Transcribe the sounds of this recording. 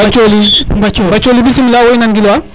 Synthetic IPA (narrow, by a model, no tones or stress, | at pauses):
ɐt͡ʃolibɐt͡ʃobɐt͡ʃolibisimilawoinanɡilwa